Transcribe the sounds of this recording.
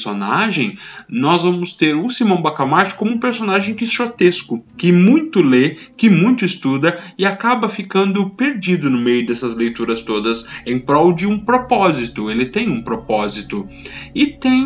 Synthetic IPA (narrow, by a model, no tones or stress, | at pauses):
sonaʒẽj̃nɔzvɐ̃mʊst̪eɾʊsimɐ̃w̃bakamaɾt͡ʃɪ̥kõmũpeɾsonaʒẽj̃kɪʃot̪eskʊkɪmũj̃t̪ʊle | kɪmũj̃t̪ʊɪst̪ud̪ɐɪakabɐfikɐ̃nd̪ʊpeɾd͡ʒid̪ʊnʊmejʊd̪ɛsɐzlejt̪uɾɐst̪od̪ɐsẽj̃pɾɔwd͡ʒɪũpɾopɔzit̪ʊelɪt̪ẽj̃ũpɾopɔzit̪ʊɪt̪ẽj̃